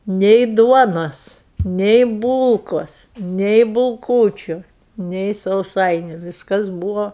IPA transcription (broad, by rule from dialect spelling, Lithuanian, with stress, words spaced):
nʲɛɪ ˈduɔnoːs nʲɛɪ ˈbuːlˠkoːs nʲɛɪ bʊlˠˈkuːt͡ʃʲʊ nʲɛɪ sɐʊˈsɐɪnʲʊ ˈʋʲiːskɐs ˈbuːʋoː